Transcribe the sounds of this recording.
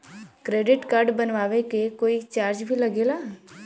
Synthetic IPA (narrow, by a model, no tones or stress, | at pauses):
kɾeːɖɪʈkaːɾɖbənʋaːʋekekoːit͡ʃaːɾd͡ʒbʱilɐɡeːlaː